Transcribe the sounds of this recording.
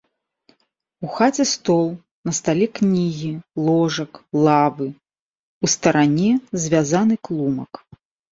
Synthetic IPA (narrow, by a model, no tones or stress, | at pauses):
uxat͡sʲɛst̪ɔlˠ | nɐst̪alʲɛknʲiɣʲilˠɔʐɐklˠavɨ | ust̪ɐɾanʲɛzʲvʲazanɨklˠumɐk